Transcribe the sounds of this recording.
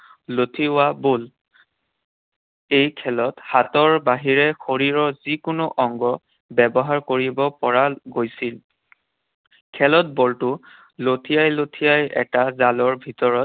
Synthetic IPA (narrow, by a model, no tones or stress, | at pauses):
lotʰiʊabol | ejkʰɛlɔthatɔɹbaɦiɹɛxoɹiɹɔzikʊnʊʔɔŋɡɔ | bɛbɔɦaɹkoɹibɔpɔɹaɡojsil | kʰɛlɔt̚bɔltʊ | lotʰijajlotʰijajɛ̰tazalɔɹbʱitɔɹɔt̚